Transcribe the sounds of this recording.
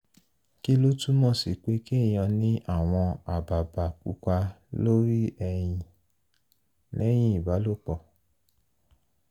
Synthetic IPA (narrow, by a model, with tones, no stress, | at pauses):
ki˦lo˦tu˦mɔ̃˦˨si˨k͡pe˨˦ki˦˨j̃ɔ̃˧nĩ˦ʔa˦˨w̃ɔ̃˧a˨ba˨ba˨k͡pu˨˧˦ka˧lo˦ɾi˦ɛ˧j̃ĩ˧ | nɛ̃˦j̃ĩ˦i˨ba˨˦lo˦˨k͡pɔ˧˨